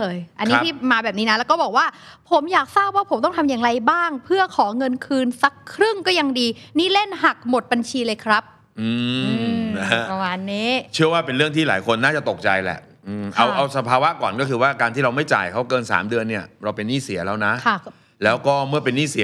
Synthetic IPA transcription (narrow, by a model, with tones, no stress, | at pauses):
lɤː˧jʔa˧nː˦t̪iː˥˩maː˧bɛː˨˩p̚niː˦˥na˦˥lɛː˦˥wkɔ˥˩bɔː˨˩k̚waː˥˩ | pʰo˩˦mjaː˨˩k̚saː˥˩p̚waː˥˩pʰo˩˦mt̪ɔ˥˩ŋt̪ʰa˧mjaː˨˩ŋɾa˧jbaː˥˩ŋpʰɯ˥˩ɐkʰɔː˩˦ŋɤ˧nkʰɯː˧nsa˦˥kʰːɾɯ˥˩ŋkɔː˥˩ja˧ŋdiː˧ | niː˥˩le˥˩nɦa˨˩k̚mo˨˩t̪̚ba˧nt͡ɕʰiː˧lɤː˧jkʰɾa˦˥p̚ | ʔɯː˧ɯ˧˦˥a˧waː˨˩nːiː˦˥t͡ɕʰɯ˥˩ɐwaː˥˩pe˧nɾɯ˥˩əŋt̪ʰiː˥˩laː˩˦jkʰo˧nːaː˥˩t͡ɕa˨˩t̪o˨˩k̚t͡ɕa˧jlɛ̰˨˩ʔ | ʔɯː˧mʔa˧wʔʔa˧wsa˧pʰaː˧wa˦˥ʔkɔː˨˩nkɔː˥˩kʰɯː˧waː˥˩kaː˧t̪iː˥ɾa˧wma˥˩jt͡ɕa̰ː˨˩jkʰa˦˥wkɤː˧nsa̰ː˩˦mdɯ˧ənːi˥˩ɐɾa˧wpe˧nːiː˥˩si˨˩˦lɛː˦˥wna˦˥ʔkʰa˥˩ | lɛː˦˥wkɔː˥˩mɯ˥˩ɐpe˧nːiː˥˩si˨˦